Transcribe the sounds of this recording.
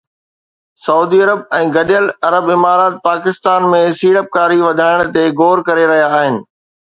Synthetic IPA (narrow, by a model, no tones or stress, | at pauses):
sɐuːd̪iɐɾəbɛ̃ːɡɐɗjəlɐɾəbɪmaːɾaːt̪̚paːkɪst̪aːnmẽsiːɽəp̚kaːɾiʋɐd̪ʱaːɪɽ̃t̪eɡoːɾkɐɾeɾɐɦijaːɦɪnɪ̆